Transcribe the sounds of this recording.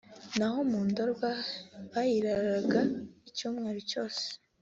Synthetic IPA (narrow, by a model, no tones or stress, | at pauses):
naho̞muːndoɾɡwaβajiɾaɾaɡaicuːmŋe̞ːɾoco̞ːse̥